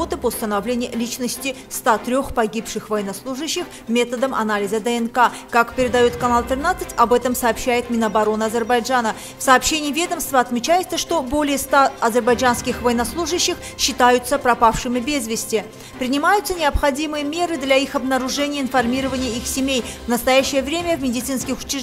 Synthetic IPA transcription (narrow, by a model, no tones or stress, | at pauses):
ot̪ɨpəʊst̪ənɐvlʲenʲɪjʊlʲit͡ɕnəsʲtʲɪst̪at̪ɾʲo̞xpɐɡʲipʂɨxvɐjɪnɐslˠuʐɨɕːɪx | mʲe̞t̪əd̪əmʔɐ̰nalʲɪzəd̪əɛnkakakpʲɪɾʲɪd̪ɐjo̞t̪kɐnalˠt̪ɾʲɪnat̪sɨtʲɐbɛt̪əmsɐːpɕːæjɪt̪mʲɪnəbɐɾo̞nɨɐzʲərbɐjʐanə | fsɐːpɕːenʲɪjːvʲe̞d̪əmst̪vəɐt̪mʲɪt͡ɕæjɪt̪səʂt̪o̞bo̞lʲɪjəst̪aɐzʲɪrbɐjd͡ʒanskʲɪxvɐjɪnɐslˠuʐɨɕːɪx | ɕːɪt̪ajʊt̪səpɾɐpafʂɨmʲɪbʲezvʲɪsʲtʲɪ | pɾʲɪnʲɪmajʊt̪sːənʲɪɐpxɐdʲimɨjəmʲe̞ɾɨd̪lʲaixɐbnəɾʊʐɛnʲɪjəɪnfɐrmʲiɾəvənʲɪjəixsʲɪmʲejvnəst̪ɐjæɕːɪjəvɾʲemʲəvmʲɪdʲɪt̪sɨnskʲɪxʊ̥t͡ɕɪ